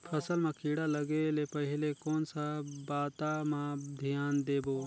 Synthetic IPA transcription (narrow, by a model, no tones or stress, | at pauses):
pʰəsəlmãkiːɽalɐɡeːlepɐɦɪlekoːnsabaːt̪amãd̪ʱɪjaːnd̪eːboː